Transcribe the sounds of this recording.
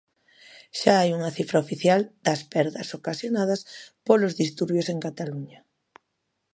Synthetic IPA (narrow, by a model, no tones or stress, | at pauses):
ʃaajuŋɐθifɾɐofiθjald̪̥ɐspɛɾðɐsokasjonað̞ɐspolozðist̪uɾβjoseŋkat̪aluɲɐ